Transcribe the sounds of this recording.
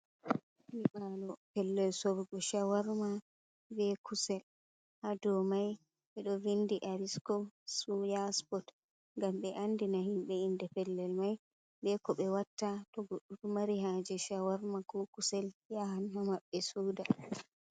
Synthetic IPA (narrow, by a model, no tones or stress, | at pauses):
miɓalɔpɛlːɛlsobɡɔʃawaɾma | bɛkʰusɛl | hadɔmaj | ɓɛɗɔvindiʔaɾiskɔsujaspɔt | ŋɡamɓɛʔandinahimɓɛindɛpɛlːɛlmaj | ɓɛkɔɓɛwatːatɔɡoɗːutumaɾiɦad͡ʒɛʃawaɾmakɔkusɛljahanhamaɓːɛsuːda